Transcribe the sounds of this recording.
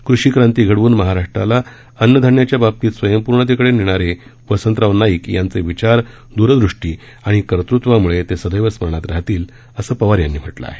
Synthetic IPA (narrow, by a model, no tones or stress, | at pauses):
kɾuɕiːkɾãnt̪iːɡʱəɽʋuːnməɦaɾaʂʈɾa̰la | ənjəd̪ʱəɾɳjat͡ɕjabab̚t̪iːt̪sʋəjəmpuɾɳət̪ekəɽeniɽ̃aɾe | ʋəsənt̪ɾaʋnaiːkjant͡seʋit͡ɕaɾ | d̪uɾd̪ɾuʂʈiː | aɽ̃ikəɾt̪ɾut̪ʋamuɭet̪esəd̪ʱəjʋəsməɳ̃at̪ɾaɦt̪iːl | əsəːpəʋaɾjanːiːm̤ʱəʈla̰a̰ɦe